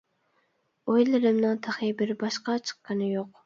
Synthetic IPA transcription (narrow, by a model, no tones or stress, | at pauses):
ojlɪɾɪmnɨŋt̪ʰæχibɪɾbɑʃqɑt͡ʃʰə̥qːɑnɨjoq